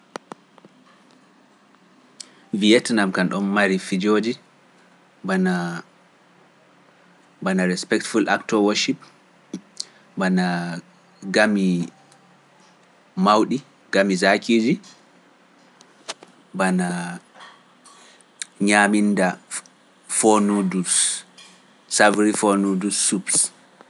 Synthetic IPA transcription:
viɛtnamkanɗɔnmaɾifid͡ʒoːd͡ʒi | bana | banaɾɛspɛk̚tfulʔa̰ktɔwɔʃip | bana | ɡami | mawɗi | ɡ̥amizakʰiːd͡ʒi | bana | ɲaminda | fonudus | savɾifonudusːups

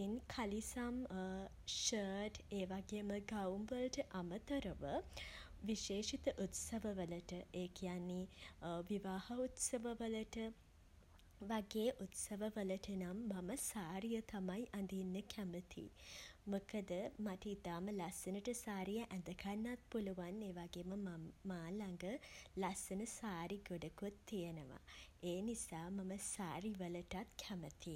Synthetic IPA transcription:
inkʰalisam | ʃəːʈeːʋaɡeːməɡawmʋələʈəʔamət̪əɾəʋə | ʋiʃeːʃit̪əʔut̪səʋəʋələʈəeːkʰijanːiʋiʋaːhɐut̪səʋəʋələʈə | ʋaɡeːʔut̪səʋəʋələʈənamːɐməsaːɾijət̪amajʔand̪inːəkʰæmət̪ʰḭmokəd̪əmaʈəit̪aːməlasɐnəʈəsaːɾijəʔænd̪əkʰanːat̪̚puluʋaneːʋaɡeːməmaːlaŋɡəlasɐnəsaːɾiɡoɖɐkut̪ːijenəʋa̰eːnisaːmɐməsaːɾiʋələʈat̪kʰæmət̪i

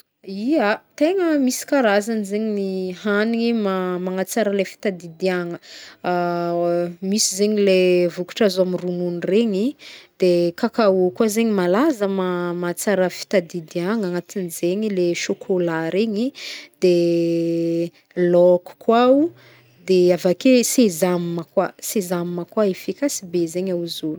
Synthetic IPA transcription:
iat̪eŋəmisi̥kaɾazanizeɲiniɦaniŋimamaŋat͡saɾəlefi̥t̪ad̪id̪iaŋə | misizeɲilevuku̥ʈ͡ʂazamirununreɲid̪̥ekakaukwazeɲimalazəmamat͡saɾəfi̥t̪ad̪id̪iaŋaŋat̪inizeɲileʃokʰolaɾeɲid̪̥e | lɔku̥kwau | d̪eavakesezamməkwasezamiməkwaefikasibezeɲawzulu̥

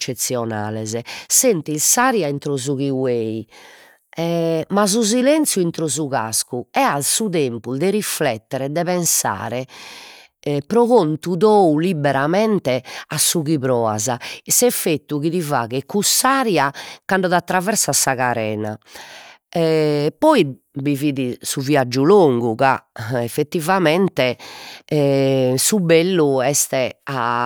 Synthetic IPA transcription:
ɛt͡ʃːet̪sːjɔna̰ːlɛzɛsent̪ilsaɾjaint̪ɾɔzuɣiweːi | ɛmaz̬uzilent̪sjuint̪ɾɔzuɣa̰skuɛalsuðempuld̪ɛɾiflɛt̪ːɛɾɛd̪ɛβɛnsa̰ːɾɛ | pɾɔɣont̪uðoulibɛɾamɛnt̪ɛasːuɣiβɾɔːa̰zasɛfet̪ːuɣiðiva̰ːɣɛkːusːaːɾjakaɳɖɔðat̪ːɾavɛɾsasaɣaɾɛ̰ːna̰ | ɛpɔi | biviːðisuviad͡ʒːuloŋɡuɣa̰ɛfːet̪ːivamɛnt̪ɛ | subelːuɛst̪ɛa

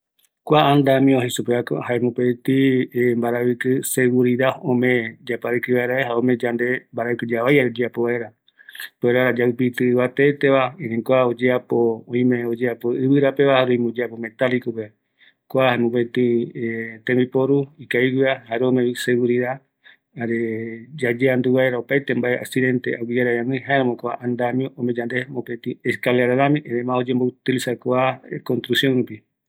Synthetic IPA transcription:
kʷaand̪amĩohisupeako̰haemũpet̪imbaɾaβɨkɨseɡuɾiɾaõmẽd͡ʒapaɾikiβaeɾaeɦaõmẽd͡ʒand̪e̞mbaɾaɨkɨd͡ʒaβajaod͡ʒeapoβaeɾa | poeɾaɾad͡ʒaɨpit̪ɨːβat̪et̪eβaĩɾĩŋkoaod͡ʒeapoõĩmẽod͡ʒeapoɨβɨɾape̞βahaɾũĩmud͡ʒeapomẽ̞t̪alikope | kʷaemõpet̪ĩ | t̪ẽmbipoɾuikaiɡiahaɾeomẽβiseɣuɾiða | aɾed͡ʒad͡ʒeand̪uβaeɾaopajt̪embaea̰siðe̞nt̪eʔawid͡ʒaɾaɾãnɨ̃ɦaeɾãmõkoa̰ʔand̪amĩõʔõmẽd͡ʒand̪emopet̪ĩeskaleaɾaðãmĩʔeɾemãod͡ʒembout̪ilisakʷakõnt̪ɾusjõnɾupi

